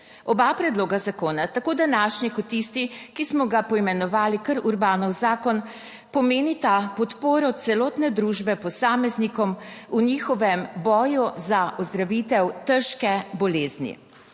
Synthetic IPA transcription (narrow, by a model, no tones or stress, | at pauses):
ɔbapɾɛd̪loːɡazakoːnat̪akoːd̪anaʃnikɔt̪ːist̪ikismɔɡapɔimɛnɔʋaːlikəɾuɾbaːnɔwzaːkɔn | pɔmeːnit̪apɔt̪poːɾɔt̪sɛlɔːt̪nɛd̪ɾuːʒbɛpɔsaːmɛznikɔmuniːxɔʋɛmbɔːjuzaʔɔzd̪ɾaʋit̪ɛwt̪əɾʃkɛbɔleːznḭ